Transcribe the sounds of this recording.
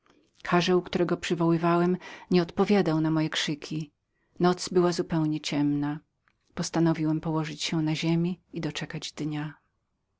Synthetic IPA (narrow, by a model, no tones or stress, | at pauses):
kʰaʐɛwkt̪uɾɛɡɔpʂɘvɔwɘvawɛmɲɛɔt̪pɔvʲjad̪awnamɔjɛkʂɘkʲʰi | nɔt̪sbɘwazupɛwɲɛt͡ɕɛmna | pɔst̪anɔvʲiwɛmpɔwɔʐɘt͡ɕɕɛnaʑemʲiid̪ɔt͡ʂɛkad͡ʑd̪ɲa